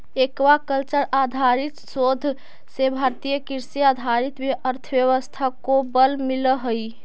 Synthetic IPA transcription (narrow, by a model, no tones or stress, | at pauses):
ekʋakəlt͡ʃəɾad̪ʱaɾit̪sod̪ʱ | sebʱaɾt̪ijəkiɾsiad̪ʱaɾit̪jəɾt̪ʰəbjəʋəst̪ʰakobəlmiləɦəj